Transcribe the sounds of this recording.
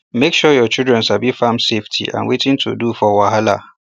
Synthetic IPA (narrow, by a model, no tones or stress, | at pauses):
mekʃujɔt͡ʃʰidɹɛ̃nsabifãmseftʰḭʔã̰nwetʰɪ̃ntʰṵdufɔwaɦala̰